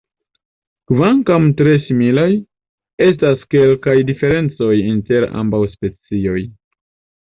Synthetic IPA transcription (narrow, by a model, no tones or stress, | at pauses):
kvaŋkamtɾe̞similaj | e̞s̬taske̞lkajdife̞ɾe̞nt͡so̞jinte̞ɾa̰mbawspe̞t͡sio̞j